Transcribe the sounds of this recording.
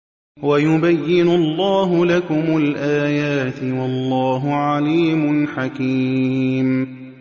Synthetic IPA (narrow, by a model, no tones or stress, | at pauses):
wajʊbajːɪnʊlˤːɑːɦʊlakʊmʊlʔaːjaːt̪ɪwɑlˤːɑːɦʊʕaliːmʊnħaki | m